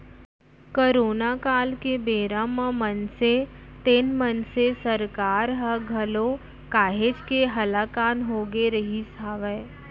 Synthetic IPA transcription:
koːɾoːnakaːlkebeːɾãmãmənset̪eːnmənsesɐɾkaːɾɦəɡʱɐlõ | kaːɦed͡ʒkeɦɐlaːkaːnɦoːɡeɾəɦisaːʋɛ

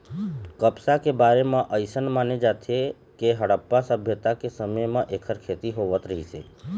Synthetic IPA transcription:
kəpsakebaːɾemãʔəɪsənmaːned͡ʒat̪ʰe | keɦəɽəpːasəbʱjət̪akesəməjmãʔeːkʰəɾkʰet̪iɦoʋət̪ɾəɦisḛ

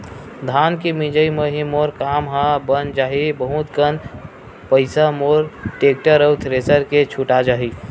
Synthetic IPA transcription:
d̪ʱaːnkimid͡ʒəiməɦimoːɾkaːmɦãbənd͡ʒaːɦibəɦũt̪kən | pəɪsamoːɾʈeːk̚ʈəɾəwt̪ʰɾeːsəɾket͡ʃʰuʈad͡ʒaːɦi

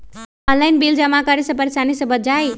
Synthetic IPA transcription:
ənlajnbild͡ʒəmakaɾisɐpəɾesanisəbət̪̚d͡ʒaj

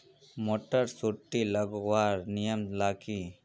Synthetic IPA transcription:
moːʈəɾsuʈːilɐɡwaːɾnijəmlaːki

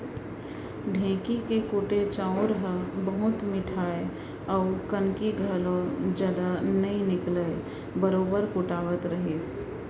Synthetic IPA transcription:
ɖʱẽːkikekuːʈet͡ʃãʊɾɦəbəɦʊt̪mɪʈʰaːe | ɔʊkənkiɡʱəlõd͡ʒaːd̪anəĩnɪkləe | bəɾoːbəɾkʊʈaːʋət̪ɾəɦis

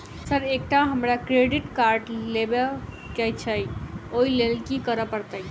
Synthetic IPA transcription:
səɾek̚ʈaɦəmɾakɾeɖiʈkaɾɖlebe | kɛjt͡ʃʰəjoilelkikəɾəpəɾt̪əj

